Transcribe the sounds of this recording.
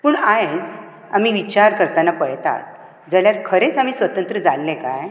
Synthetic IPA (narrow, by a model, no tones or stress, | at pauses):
pəːɳajd͡z | a̰m̤iʋit͡ɕaɾkəɾt̪anapəɽt̪a̰t̪̚ | d͡zəljaɾkʰəɾet͡sam̤iːsʋət̪ənt̪ɾəd͡zalːeka̰j